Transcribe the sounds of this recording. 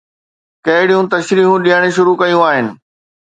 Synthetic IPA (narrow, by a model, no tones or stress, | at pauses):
kɐɦɪɽijũt̪ɐʃɾiːɦũɗijəɽ̃eʃ̬ʊɾukɐjũaːɦɪnɪ̆